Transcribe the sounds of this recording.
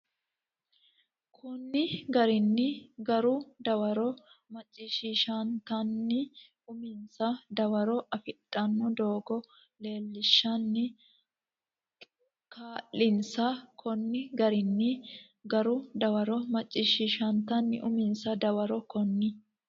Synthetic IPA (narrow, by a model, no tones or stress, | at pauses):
kʰɔnːɪɡɐɾɪnːɪɡɐɾʊd̪ɐwɐɾɔmɐt͡ʃʼːɪʃiʃɐnt̪ɐnːɪ | ʊmɪnsɐd̪ɐwɐɾɔʔɐfɪtʼːɐnːɔd̪oːɡɔ | le̞ːlːɪʃːɐnːɪ | kʰaːʔɪnsɐkʰɔnːɪɡɐɾɪnːɪ | ɡɐɾʊd̪ɐwɐɾɔmɐt͡ʃʼːɪʃiːʃɐnt̪ɐnːɪ̰ʔʊmɪnsɐd̪ɐwɐɾɔkɔnːɪ